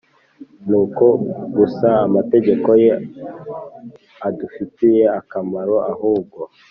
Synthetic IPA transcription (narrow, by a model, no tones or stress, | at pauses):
nuːko̞ɡusaːmate̞ɟe̞ko̞je | adufitije̞akamaɾo̞ʔahuːbɡo̞